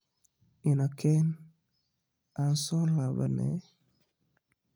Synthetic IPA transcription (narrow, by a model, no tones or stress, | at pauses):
inakʰɛn | ansɔlaba̰nɛ̰